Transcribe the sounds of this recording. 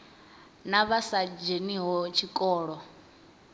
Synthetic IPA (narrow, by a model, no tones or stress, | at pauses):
naβasad͡ʒeniɦɔt͡ʃʰikʼɔːɺɔ